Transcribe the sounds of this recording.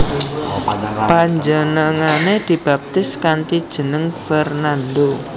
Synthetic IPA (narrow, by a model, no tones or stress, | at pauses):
paɲd͡ʒənəŋaned̪̥i̤b̥a̤p̚t̪ɪskant̪id̥ʒ̥ə̤nəŋfɛrnand̪o